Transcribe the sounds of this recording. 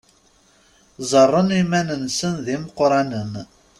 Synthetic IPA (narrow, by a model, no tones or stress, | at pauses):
zˤərˤːənimænənsənðiməqɾˤɑnən